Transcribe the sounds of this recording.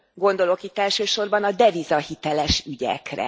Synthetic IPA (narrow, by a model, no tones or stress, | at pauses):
ɡo̞nd̪o̞lo̞kit̪ːɛlʃøːʃo̞rbɒnɒd̪ɛvizɒhit̪ɛlɛʃyɟɛ̰krɛ̰